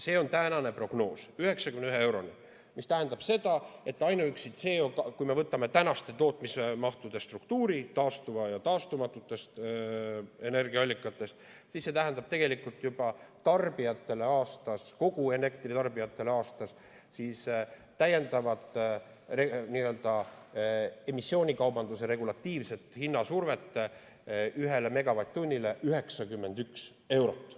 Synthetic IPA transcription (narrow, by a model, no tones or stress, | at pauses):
se̞ːo̞nt̪ænɑne̞pro̞ɡ̥no̞ːsyhe̞ksɑkymneyɦee̞wɾo̞ni | mist̪æɦe̞nd̪̥ɑb̥se̞d̪̥ɑe̞t̪ːˑɑjnuyksit̪se̞ːokɑkujme̞vɤt̪ːˑɑme̞t̪ænɑst̪e̞t̪o̞ːt̪ˑmisemɑht̪ud̪̥e̞st̪rukt̪uːɾit̪ɑːst̪uvɑjɑt̪ɑːst̪umɑt̪ːˑut̪ːˑe̞st̪ | e̞ne̞rɡ̥iɑɑlʲːikːˑɑt̪ːˑe̞st̪ | sisːe̞t̪æɦend̪̥ɑb̥̚t̪e̞ɡ̥e̞likult̪ːˑjub̥ɑt̪ɑrb̥ijɑt̪ːˑe̞le̞ɑːst̪ɑsko̞ɡ̥ue̞ne̞kt̪rit̪ɑrbijɑt̪ːˑe̞leɑːst̪ɑs | siːst̪æje̞nd̪̥ɑvɑd̪ | reniːø̞ld̪ɑ | e̞misːjo̞ːnʲikɑwbɑnd̪use̞ɾe̞ɡulɑt̪ːiːvse̞t̪ːˑhinːɑsurve̞t̪ːˑe | yɦe̞le̞me̞ɡ̥ɑvɑjt̪ʲːunʲːile̞ʔyɦeksɑkymːe̞nd̪yks | e̞wɾo̞t̪ˑː